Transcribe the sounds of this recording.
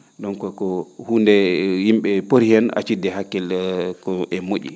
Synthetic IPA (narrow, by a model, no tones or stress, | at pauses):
ɗɔnkɔkɔhuːndɛjimɓɛpoɾhɛna̰t͡ʃidːɛhakːɛlkɔʔɛmoɗʲḭ